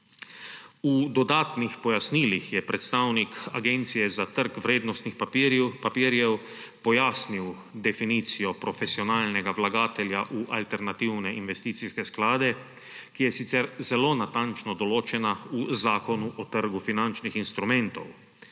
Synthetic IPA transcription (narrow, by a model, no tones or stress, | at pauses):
ud̪ɔd̪aːt̪nixpɔjasniːlixjɛpɾɛt̪st̪aːwnika̰ɡent̪sijɛzat̪əɾkʋɾeːd̪nɔst̪nixpapapiɾjɛw | pɔjaːsniw | d̪ɛfiniːt̪sijɔpɾɔfesiɔnaːlnɛɡaʋlaɡaːt̪ɛlʲjaʔuʔa̰lt̪ɛɾnat̪iːwnɛinʋɛst̪iːt̪siskɛsklaːd̪ɛ | kijɛsit̪sɛɾzɛlonat̪ant͡ʃnɔd̪ɔloːt͡ʃɛnauzaːkɔnuʔɔt̪əɾɡufinant͡ʃnixinst̪ɾumɛ̃nt̪o̰w